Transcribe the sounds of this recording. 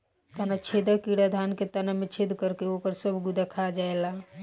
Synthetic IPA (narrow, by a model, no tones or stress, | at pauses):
t̪ənat͡ʃʰed̪akiɽad̪ʱanket̪ənamet͡ʃʰed̪kəɾkeokəɾsəbʱɡud̪akʰad͡ʒaela